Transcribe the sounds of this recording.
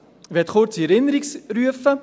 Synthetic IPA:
vɛtχʊɾt͡siɛɾɪnəɾiksɾyəfə

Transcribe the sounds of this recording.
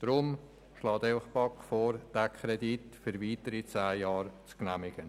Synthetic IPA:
d̥ɾʊm | ʃlɑːteɪfəχpɑkfɔːɾd̥ækʰχɾɛditfyɾviːtəɾit͡saːjɑːɾt͡sknæmɪɡ̥ən

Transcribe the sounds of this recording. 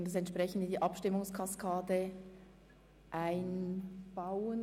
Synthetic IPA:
ndɑsɛnt̪ʃpʁ̥ɛçn̩dədiːʔɑpʃtɪmʊŋskʰɑskʰaːdə | ʔaɪnb̥aʊən

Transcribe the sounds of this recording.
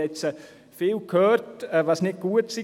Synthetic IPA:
ɛt͡sə | fiːlkʰøːrtəʋɑsnɪd̚ɡ̥uətsi

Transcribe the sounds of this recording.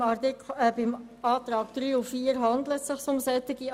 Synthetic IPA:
ɑtɪkɛbɪm | ɑːt̪ɾɑːkd̥ɾyːufiːəɾɦɑnd̪lətsɪχsʊmsɛt̪ɪɡi

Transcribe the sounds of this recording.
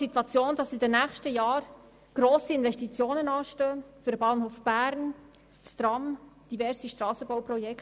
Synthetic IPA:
sit̪wɑt͡sjoːnd̥ɑsidənæːχʃtəjɑːɾ | ɡ̥ɾoːsiɪnvɛstit͡sjoːnənɑːʃtœːfyɾdəbɑːnhoːfb̥æːɾn | t͡st̪ɾɑmd̥ivɛɾsiʃtɾɑːsəbawprɔjɛk

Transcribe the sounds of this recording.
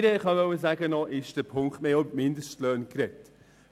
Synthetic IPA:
ɾəχɑʋœwəzæɡənɔʔɪʃd̥əpʰʊŋktmeːɔmɪndəstløːnkɾɛt

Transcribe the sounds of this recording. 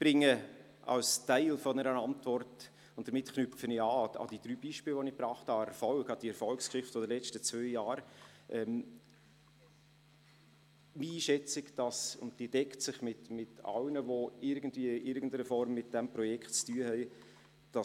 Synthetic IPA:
b̥ɾɪŋːə | ʔɑ̰lstæɪlfɔnɛɾənɑntvɔrt | ʊnt̚d̥əɾmɪtknʏfəniɑːɑ̰d̥id̥̪ɾyːb̥iʃpɪːlvɔnɪbɾɑːχthɑɛɾfɔlɡɑd̥iɛɾfɔlkskʃɪχtfod̥̪əlɛt͡ʃtət͡svœʏjɑːɾʔɛm | miiːʃɛt͡sɪkd̥ɑsʊ̰ntd̥iːd̥ɛktsɪχmɪtmɪtɑ̰lnəvoɪɾɡən̩dviəʔɪɾɡən̩dəɾəfɔɾmːɪt̚d̥ɛmpɾɔjɛkχtt͡styːəhɛɪ | d̥ɑ

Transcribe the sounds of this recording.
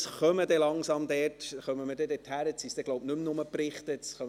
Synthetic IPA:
sχœmədɛlɑŋsɑmd̪ɛtχœməməɾdɛdɛthæɾətsisd̥̪ɛɡloʊpnɵmnʊməprɪχt̪ətsχœm

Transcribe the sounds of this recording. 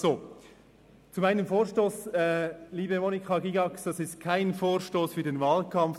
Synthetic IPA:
z̥o | t͡sumaɪnəmfoːɾʃtoːsɛliːbəmonikʰɑɡiɡɑksd̥ɑsɪst̚kʰaɪnfoːɾʃtoːsfyːɐdenvɑːlkʰɑmf

